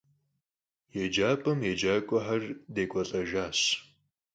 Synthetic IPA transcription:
jɛd͡ʒaːpʼɐmjed͡ʒaːkʷʼʊħɐrdeːkʷʼɔɬʼɐʒaːɕ

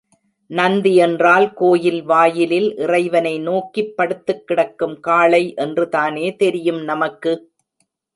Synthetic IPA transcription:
nɐnd̪iɛndraːlkoːjɪlʋaːjɪlɪlʔɪrɐɪʋɐnɐɪnoːkːipːɐɽɯt̪ːɯkːɪɽɐkːɯmkaːɭɐɪʔɛndrɯðaːneːt̪ɛɾɪjɯmnɐmɐkːɯ

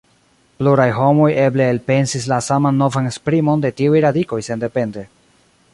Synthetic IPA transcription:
pluɾajɦo̞mo̞je̞ble̞ːlpe̞nsis̬lasamanːo̞vanespɾimo̞nde̞tiujɾadiko̞jse̞nde̞pe̞nde̞

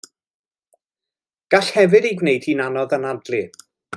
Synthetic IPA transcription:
ɡ̥aɬhɛvɨdiɡwnejdʰinanɔðənadlˠɨ

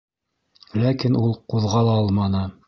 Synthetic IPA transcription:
lækinulˠquðʁɑlˠɑɑlˠmɑnɤ

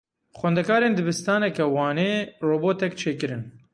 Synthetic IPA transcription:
xʷɛnd̪ɛkʰɑːɾeːnd̪ɨbɨst̪ɑːnɛkɛwɑːneːroːboːt̪ɛkt͡ʃʰeːkɨɾɨn

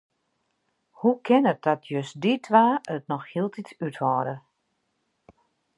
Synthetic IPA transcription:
hukʰɪnət̚d̥ɔtʰjøsditʰʋaːət̚nɔxhilˠtitytʋɔːɾə

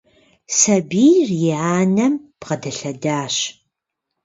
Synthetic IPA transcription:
sɐbiːrjɪaːnɐmb̥ʁɐdɐɬɐdaːɕ

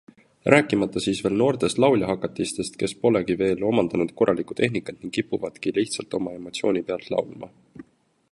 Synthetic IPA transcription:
rʔæːkːˑimɑt̪ˑːɑsiːsve̞ːlno̞ːrt̪e̞st̪lɑwlʲjɑɦɑkːˑɑt̪ːˑist̪e̞st̪ke̞spo̞le̞kive̞ːlo̞mɑnd̪̥ɑnud̪̥̚ko̞rʔɑlikˑu̥t̪ʰe̞ɦnikːˑɑt̪niŋɡ̥ipːˑuvɑt̪kiliht̪sɑlt̪ˑo̞mɑe̞mo̞t̪sio̞ːnʲipe̞ɑlt̪lɑ̰wlmɑ̰

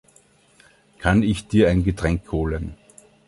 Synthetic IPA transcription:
kʰanɪçd̥iːɐæɪnɡətʁ̥ɛŋkhoːlən

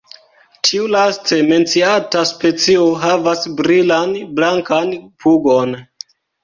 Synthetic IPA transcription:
tʰiulaste̞me̞nt͡siataspe̞t͡sio̞ɦavasbɾilanblaŋkanpuɡo̞n

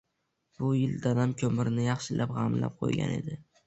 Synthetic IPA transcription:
b̥ʊjɪld̪anamkʲʰɵmɪɾnɪjɑχʃɪlʔapʁɑmla̰p̚qʰo̰jɡʲa̰ne̞̰d̪ɪ

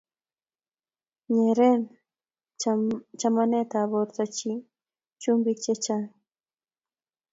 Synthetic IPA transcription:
ɲeɾen | t͡ʃamanet̪aːboɾt̪at͡ʃi | t͡ʃʊmbit͡ʃet͡ʃa

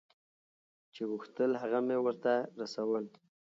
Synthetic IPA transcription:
t͡ʃeɣuxt̪əlɦaɣamewəɾt̪aɾasawəl

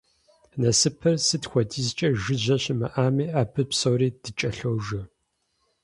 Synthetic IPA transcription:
nɐsɨpʰɨrsɨtxʷɔdʰiːzt͡ʃʼɐʒɨʑɐɕɪmɐ̰ʔaːmiːʔaːbʰɨpsowriːd̥ɨt͡ʃʼɐɬowʒɐ

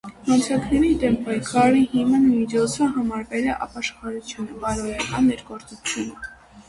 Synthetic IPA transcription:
mɑnt͡sʰɑknɛɾid̪ɛmpɑjkʰɑɾiɦimənmid͡ʒɔt͡sʰəɦɑmɑɾvɛlɛʔɑ̰pɑʃχɑɾut͡sʰjunəbɑɾɔɾkʰɑnːɛɾɡɔɾt͡sut͡sʰjunə

